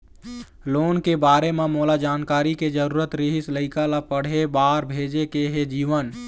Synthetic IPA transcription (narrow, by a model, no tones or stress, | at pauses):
loːnkebaːɾememoːlad͡ʒaːnkaːɾiked͡ʒəɾuːɾət̪ɾɪɦɪsləɪkalapəɽ̤ebaːɾbʱeːd͡ʒekeɦed͡ʒiːʋən